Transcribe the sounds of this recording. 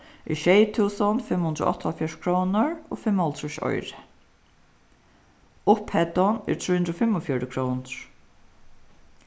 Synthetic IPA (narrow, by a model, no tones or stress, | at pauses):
ʔiʃɛjt̪ʰuːsɔnfɪmhʊnd̪ɾʊ̰ɔ̰ht̪ʰːɔlfjɛʂkʰɹownəɹo̰ːfɪmːhɔlt̪ʰɹɛʃɔ̰jɾɪ | ʊphɛt̪ɔnɛ̰ɾt̪ʰɾuːhʉnd̪ɾɔfɪmːɔfjɔɹɪkʰɹɔwnɹ̥